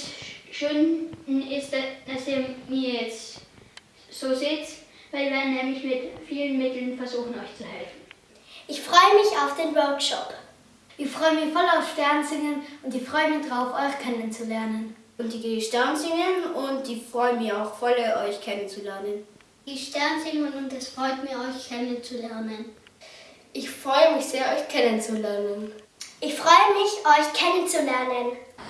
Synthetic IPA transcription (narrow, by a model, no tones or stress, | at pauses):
sʃøːnnɪstd̥asiːɐmiːɐjɛt͡st | z̥oːzeːt | vaɪviːɐnɛːmlɪçmɪtfiːlənmɪtl̩nfɛɐzuːxn̩ɔʏçt͡suhɛlfn̩ | ʔɪçfʁ̥ɔʏəmɪçaʊfd̥eːnvœɐkʃɔp | d̥ɪfʁ̥ɔʏənmɪçfɔlaʊfʃtɛɐnzɪŋənʊntɪçfʁ̥ɔʏəmɪçd̥ʁaʊfʔɔʏçkʰɛnənt͡sulɛɐnən | ʊnt̚d̥iːɡeʃtɛɐnzɪŋənʊnt̚d̥iːfʁ̥ɔʏənmiɐaʊxfɔləʔɔʏçkʰɛnənt͡sulɛɐnən | d̥iːʃtɛɐnzɪŋənʊntɛsfʁ̥ɔʏtmiːɐɔʏçkʰɛnənt͡sulɛɐnən | ʔɪçfʁ̥ɔʏəmɪçz̥eːɐʔɔʏçkʰɛnənt͡sulɛɐnən | ʔɪçfʁ̥ɔʏəmɪçʔɔʏçkʰɛnənt͡sulɛɐnən